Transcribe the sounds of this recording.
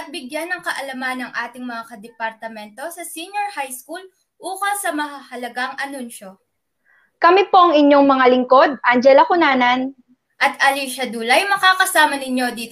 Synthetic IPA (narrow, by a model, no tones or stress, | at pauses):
ʔɐt̪̚bɪɡjanːɐŋkɐʔɐlɐmanːɐŋʔaːt̪ɪŋmɐŋakɐd̪ɛpɐɾt̪ɐmɛnt̪o̞sɐsiɲoɹhajskul | ʔuːkɐsɐmɐhɐhɐlɐɡaŋɐnunʃo̞ | kɐmipo̞ʔɐŋɪɲjo̞ŋmɐŋalɪŋko̞d̪̚ʔand͡ʒɛlɐkʊnaːnɐn | ʔɐt̪̚ɐliʃɐd̪uːlɐjmɐkaːkɐsaːmɐnɪɲo̞d̪iːt̪